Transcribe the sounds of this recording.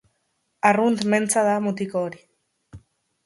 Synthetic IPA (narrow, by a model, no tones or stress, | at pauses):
arunt̪me̞nt͡saðamut̪ikoːɾi